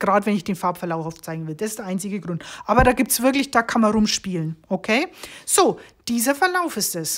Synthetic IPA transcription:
ɡ̥ʁaːdəvɛnɪçd̥eːnfaɐpfɛɐlaʊfaʊft͡saɪɡŋ̩vɪld̥asɪstd̥eːɐʔaɪnt͡sɪɡəɡʁʊntʔaːbɐɾaːɡiːp̚tsv̥ɪɐklɪçd̥aːkʰanmanʁʊmʃpiːlənʔokʰeːz̥oːd̥iːzɐfɛɐlaʊfɪstɛs

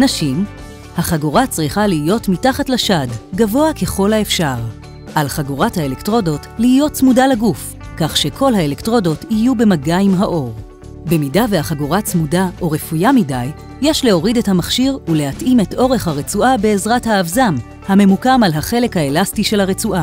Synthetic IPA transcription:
naʃim | haχaɡuʁat͡sʁiχaliːjo̞tmitaχatlaʃadɡavo̞ake̞χo̞lhaefʃaʁ | ʔalχaɡuʁathaelektʁo̞do̞tlihijott͡smudalaɡuf | kaχʃe̞kʰo̞lhaele̞ktʁo̞do̞tijube̞maɡaimɦaʔo̞ʁ | be̞midavehaχaɡuʁat͡smudaʔo̞ʁe̞fujamidajː | eʃle̞o̞ʁidethamaχʃiʁule̞hatʔime̞to̞ʁe̞χhaʁet͡suʔabe̞ːzʁathaːvzam | hame̞mukamalɦaχe̞le̞khaelastiʃe̞lhaʁet͡suʔa

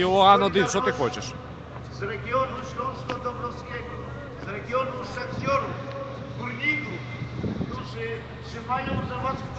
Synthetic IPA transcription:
ɔanɔd̪isɔt̪ɨxɔt͡ɕɛʂ | zɾɛɡʲjɔnuɕlɔ̃skɔd̪ɔbɾɔfskʲɛɡɔ | zɾɛɡʲjɔnusɛkt̪jɔɾu | ɡuɾlʲiɡu | kt̪uʐɪ | ʂɪmajɔ̃w̃zavat̪

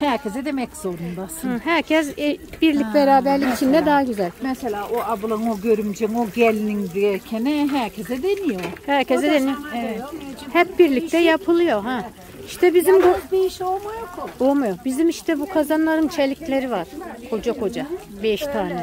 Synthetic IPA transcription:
hæɾcʰʲezɛd̪emɛcz̥o̞ɾund̪ahɯɦæɾcʰɛzɛb̥iɾlʲicʲbeɾaːbæɾlʲikit͡ʃʰind̪ɛd̪aɦaɟyzælʲmɛselʲaːʔoabɯlˠanoɟøɾymd͡ʒɛŋoɟælʲninbiɾɛcʲʰenɛɦæɾcʰezɛd̪enijohæɾcʰezɛd̪enijoeɛhɛp̚biɾlʲic̚t̪ʰɛjapʰɯlˠɯjo̞ɦã | iʃt̪ʰɛbizimd̪ab̪ejiʃolˠmajokʰolˠmajobizimiʃt̪ʰɛbukʰazanlˠaɾɯmt͡ʃʰelʲiclʲeɾivaɾ̥kʰo̞d͡ʒakʰo̞d͡ʒa | bɛʃt̪ʰaːnɛ

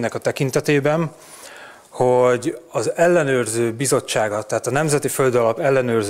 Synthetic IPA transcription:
nɛkɒt̪ɛkint̪ɛt̪eːbɛn | ho̞ɟɒzɛlːɛnøːrzøːbizo̞t͡ʃːaːɡɒt̪ːɛɦaːt̪ɒnɛmzɛt̪ifø̞ld̪ɒlɒpɛlːɛnøːrz

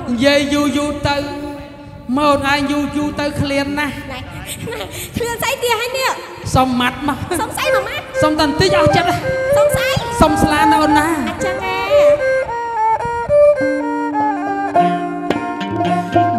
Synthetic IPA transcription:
nijiəjjuːjuːt̪ɨw | məːonʔaɛŋjuːjuːt̪ɨwkʰliənːahnakʰliənsajt̪iəɦajniəʔ | somːat̪̚mɑhsmsajmat̪̚somt̪ant̪iɲʔaht͡ɕət̪̚asomsajsomslaːnɨwʔonːaːt͡ɕa

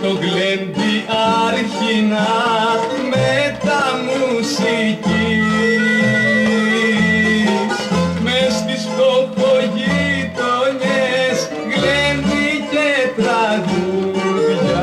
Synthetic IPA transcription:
t̪oɣlend̪iʔɐɾçinɐ | met̪ɐmusici | smest̪ispopoʝit̪oɲes | ɣlend̪icet̪ɾɐɣuðʝɐ

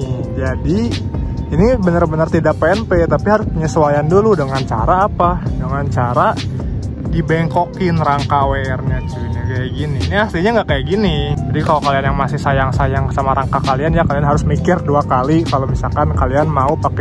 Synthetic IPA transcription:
d͡ʒadi | inibənərbənərt̪idak̚peɛnpet̪apiɦaɾʊspuɲasuajanduludəŋant͡ʃa̰ɾaːpadəŋant͡ʃaɾa | dibɛŋkokɪnraŋkawerɲat͡ʃuinikajaʔɡininiasliɲaŋɡaʔkajaʔɡinid͡ʒadikalokalianjaŋmasɪhsajaŋsajaŋsamaɾaŋkakalianjakalianɦaɾʊsmikɪrduakalikalomisalkankalianmaupakɛ

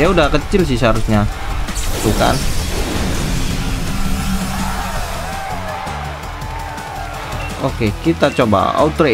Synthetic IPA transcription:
jaudakət͡ʃɪlsɪhs̬əɦaɾusɲa | t̪uka̰n | okekit̪at͡ʃoba̰a̰ut̪ɾe

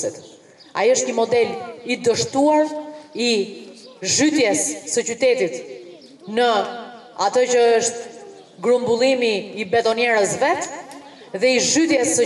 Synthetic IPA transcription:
it̪ | a̰iəʃt̪ɲəmɔd̪ɛlid̪əʃt̪uaɾi | ʒyt̪jɛsːət͡ɕyt̪ɛt̪it̪ | nə | at̪ət͡ɕəəʃt̪ | ɡɾumbulˠimiːbɛt̪ɔnjɛɾəsvɛt̪ | ðɛiʒyt̪jɛsːə

